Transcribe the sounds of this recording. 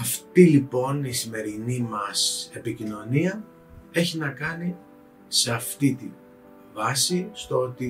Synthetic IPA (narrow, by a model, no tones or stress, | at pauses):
ɐft̪ilipo̞nisime̞ɾinimɐse̞picino̞niɐ | e̞çinɐkɐni | seɐft̪it̪in | vɐsist̪oo̞t̪i